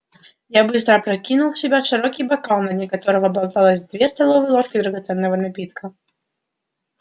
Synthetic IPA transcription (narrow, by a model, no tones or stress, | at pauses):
jabɨst̪ɾɐpɾakʲinuw̪ˠsʲɪbʲaʂɨɾɔkʲibakalˠnːɐd̪ʲnʲikat̪ɔɾɐvɐbalˠt̪alˠɐzʲd̪vʲɛst̪alˠɔvɨlˠɔrkʲid̪ɾɐɣat̪sɛnːɐvɐnapʲit̪kʰɐ